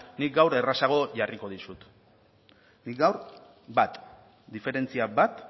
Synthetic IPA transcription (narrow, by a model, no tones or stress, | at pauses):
nik̚ɡawɾe̞rasaɣ̞o̞ʝariko̞ðisut̪ | nik̚ɡawɾ | bat̪ | d̪ife̞ɾe̞nt͡siabat̪